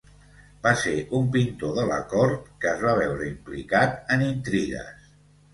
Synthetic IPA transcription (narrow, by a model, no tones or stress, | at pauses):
baseʔumpint̪oðələ̰kɔɾt̪̚kəːzβaβ̞ɛwɾəimplḭkat̪ənint̪ɾiɣə̰s